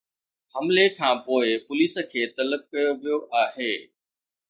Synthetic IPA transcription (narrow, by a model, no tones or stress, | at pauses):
hɐmlekʰãːpoːɪpʊliːsə̆kʰeːt̪ɐləb̚kɐjoʋijoʔaːɦeː